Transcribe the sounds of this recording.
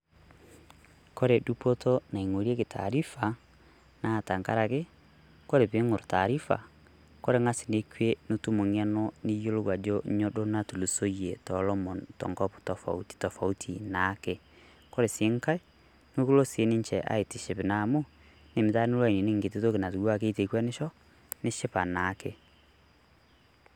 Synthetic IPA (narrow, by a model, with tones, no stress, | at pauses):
kɔ˦ɾe˨du˦pɔ˦tɔ˦na˨i˨ŋo˨ɾi˦ɛ˦ke˨tʰa̰˨ɾi˦fa˨ | na˦˨ta˨ŋka̰˦ɾa˨ke˦ | kɔ˦ɾe˨βe˦ŋo˨ɾo˨ta˨ɾi˦fa̰˨ | kɔ˦ɾe˦ŋa˦si˨ne˦kwe˦no˦tu˦mo˨ŋɛ˦nɔ˦ni˦jo˦lo˦ɡwa˨d͡ʒɔ˦ɲɔ˦do˦na˦tu˨lu˨so˦iɛ˨tɔlɔ˦mɔ˨ntɔ̰˨ŋɡɔ˦ptɔ˨fa̰˨u˦ti̥˨tɔ˨fa˨u˦tʰi˨na˨˦ke˦ | kɔ˦ɾe˨se˦ŋka˦e˦ | no˦ku˦lo˦se˨˦ni˦ɲt͡ʃɛ˨ʔa̰˦e˨ti˨ʃe˨pe˨na˨mo˦ | ne˨me˨ta˦nu˦lwa˦i˨ni˨ne˦ŋɡe˨t̬e˦to˦ke˨na˨tu˨ɡwa˦ke˦te˨kwɛ˦ne˦ʃɔ˦ | ne˦ʃe˦pa˨na˨˦ke˦